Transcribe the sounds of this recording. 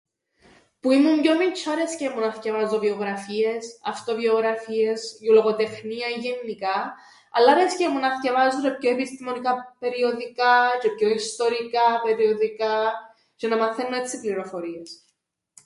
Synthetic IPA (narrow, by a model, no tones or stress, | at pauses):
puimumɟomit͡ʃʰːɐɾescemunɐθcɐvɐzovioɣɾɐfiesɐft̪ovioɣɾɐfie̞sjoloɣot̪e̞xniɐiʝenːikɐ | ɐlːɐɾescemunɐθcɐvɐzuɾepçoepist̪imo̞nikɐpe̞ɾioðikɐcepço̞ist̪o̞ɾikɐpe̞ɾioðikɐ | cɐnɐmɐθenːoe̞t͡sːipliɾo̞fo̞ɾie̞s